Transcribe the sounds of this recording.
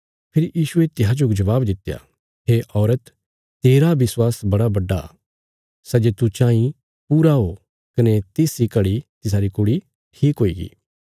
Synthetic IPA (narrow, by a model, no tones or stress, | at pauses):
pʰɪɾijiːʃuet̪ɪɦad͡ʒoːkd͡ʒɐʋaːbd̪ɪt̪ːeja̰ | ɦeʔɔːɾət̪ː | eːɾaʋɪswaːsbɐɽabɐɖːa̰ | sɛd͡ʒet̪ut͡ʃãːĩ | puːɾaɦo | kɐnet̪eːsikɐɽit̪ɪs̬aːɾikʊɽi | ʈʰiːkɦoːiːɡḭː